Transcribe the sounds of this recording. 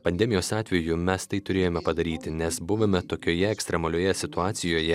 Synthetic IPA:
pɐnʲd̪ʲɛmʲɪjoːsɑːt̪ʲʋʲɛjʊmʲɛst̪ɐɪt̪ʊɾʲeːjoːmʲɛpɐd̪ɐɾʲiːt̪ʲɪnʲɛsbʊʋɐmʲɛt̪oːkʲoːjɛɛksʲt̪ʲɾʲɛmɐlʲoːjɛsʲɪt̪ʊɑːt̪sʲɪjoːjɛ

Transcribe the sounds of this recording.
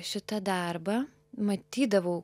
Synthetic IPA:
ʃʲɪt̪ɐd̪ɐrbɐ | mɐt̪ʲiːd̪ɐʋoː

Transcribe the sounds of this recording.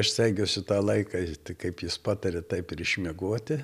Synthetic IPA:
ɐʃsʲɛɪɡʲoːsʲʊt̪ɑːlˠɐɪkɑt̪ʲɪkɐɪpjɪspɑːt̪ɐɾʲɛt̪ɐɪpɪɾɪʃʲmʲiɛɡoɔt̪ʲɪ

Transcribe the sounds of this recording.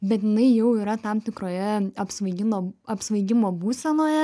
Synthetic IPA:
bʲɛt̪jɪnɐɪjɛʊiːɾɐt̪ɐmt̪ʲɪkɾoːjɛɐpsʋɐɪɡʲɪnoːɐpsʋɐɪɡʲɪmoːbuːsʲɛnoːjɛ

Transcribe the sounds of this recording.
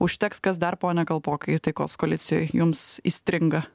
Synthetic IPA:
ʊʃʲt̪ʲɛkskɐs̬d̪ɐrpoːnʲɛkɐlˠpoːkɐɪt̪ɐɪkoːskoːlʲɪt̪sʲɪjo̰ːjjʊmsḭːsʲt̪ʲɾʲɪŋɡɐ

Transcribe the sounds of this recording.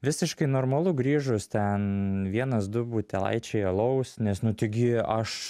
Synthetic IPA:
ʋʲɪsʲɪʃkɐɪnoːɾmɐlˠʊɡɾʲiːʒʊst̪ʲɛnʋʲiɛnɐsd̪ʊbuːt̪ʲɛlˠɐ̰ɪt͡ʃʲɛɪɐlˠɐʊsnʲɛsnʊt̪ʲɪɡʲɪɐʃ

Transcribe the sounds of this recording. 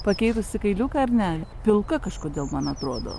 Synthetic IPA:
pɐkʲɛɪt̪ʊsʲɪkɐɪlʲuːkɐɾʲnʲæːlʲɛpʲɪlˠkɐkɐʃkoːd̪ʲeːlˠmɐnɐt̪ɾoːd̪o̰ː

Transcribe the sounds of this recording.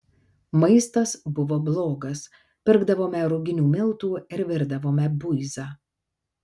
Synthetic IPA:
mɐɪst̪ɐsbʊʋoːblˠoːɡɐs | pʲɪɾɡd̪ɐʋoːmʲɛɾʊɡʲɪnʲuːmʲɪlˠt̪uːɪɾʋʲɪɾd̪ɐʋoːmʲɛbʊɪzɑː

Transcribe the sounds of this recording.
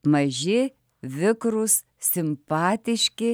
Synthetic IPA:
mɐʒʲɪ | ʋʲɪkɾʊs | sʲɪmpɑːt̪ʲɪʃʲkʲɪ

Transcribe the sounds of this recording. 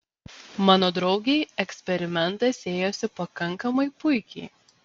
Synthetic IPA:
mɑːnoːd̪ɾɒʊɡʲɛɪɛksʲpʲɛɾʲɪmʲɛnˑt̪ɐsʲeːjoːsʲɪpɐkɐŋkɐmɐɪpʊɪkʲɛɪ

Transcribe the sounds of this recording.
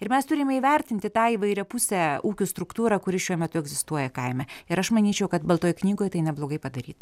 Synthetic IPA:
ɪɾmʲɛst̪ʊɾʲɪmʲɛiːʋʲɛɾʲt̪ʲɪnʲt̪ʲɪt̪ɑːiːʋɐɪɾʲɛpʊsʲɛuːkʲuːst̪ɾʊkt̪uːɾɐkʊɾʲɪʃʲuɔmʲɛt̪ʊɛɡzʲɪst̪uɔjɛkɐɪmʲɛɪɾɐʃmɐnʲiːt͡ʃʲɛʊkɐt̪bɐlˠt̪oːjknʲiːɡoːjt̪ɐɪnʲɛblˠoːɡɐɪpɐd̪ɐɾʲiːt̪

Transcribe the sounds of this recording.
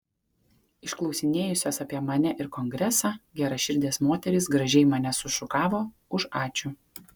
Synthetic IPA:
ɪʃklˠɒʊsʲɪnʲeːjʊsʲoːsɐpʲiɛmɐnʲɛʔɪɾkɔŋɡɾʲɛsɑːɡʲæːɾɐʃʲɪɾʲd̪ʲeːsmoːt̪ʲɛɾʲɪsɡɾɐʒʲɛɪmɐnʲɛsʊʃʊkɑːʋoː | ʊʃɑːt͡ʃʲu

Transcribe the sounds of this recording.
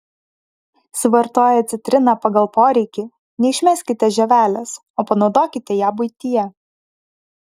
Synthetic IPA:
sʲɪʋɐɾt̪oːjɛɐt̪sʲɪt̪ʲɾʲɪnɑpɐɡɐlˠpoːɾʲɛɪkʲi | nʲɛɪʃʲmʲɛˑsʲkʲɪt̪ʲɛʒʲɛʋʲæːlʲɛs | oːpɐnɒʊd̪oːkʲɪt̪ʲɛjæːbʊɪt̪ʲijɛ

